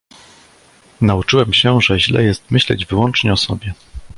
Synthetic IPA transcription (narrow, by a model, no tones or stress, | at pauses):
naut͡ʂɘwɛmɕɛʐɛʑlɛ̰jɛst̪mɘɕlɛ̰d͡ʑvɘwɔnt͡ʂɲɛɔsɔ̰bʲjɛ